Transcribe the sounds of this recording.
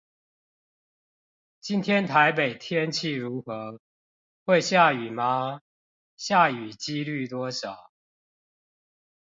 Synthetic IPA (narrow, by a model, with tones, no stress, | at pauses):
t͡ɕi˦nt̪ʰjɛ˦nt̪ʰa˨˦ɪpe˨˩ɪt̪ʰjɛ˦nt͡ɕʰi˥˨ɻu˨˦xɤ˨˦ | xwe˥˨ɪɕja˥˨y˨˩ma˧˦ | ɕja˥˨y˨˩t͡ɕi˦ly˥˨t̪wɔ˦ɕɑ˨˩˦ʊ